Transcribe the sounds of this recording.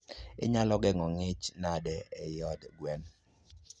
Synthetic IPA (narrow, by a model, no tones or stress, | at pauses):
ɪ̰ɲalɔɡɛŋɔŋɪt͡ʃnadɛɛjɔdɡwɛn